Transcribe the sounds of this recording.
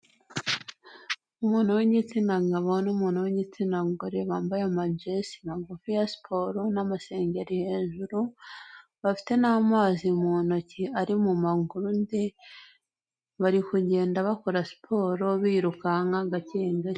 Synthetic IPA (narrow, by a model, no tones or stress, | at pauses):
umuːnhuweɲit͡sinaŋɡaβo̞numuːnhuweɲit͡sinaŋɡuɾeβaːmbajamad͡ʒesimaɡufijasi̥pʰo̞ɾonamase̞ːɲɟeɾiheːʒuɾu | βafi̥te̞namaːzimuːnociaɾimumaŋɡuɾunde | βaɾikuɟe̞ːndaβakoɾasi̥pʰo̞ːɾo̞βiːɾukaŋaɡaceːŋɡa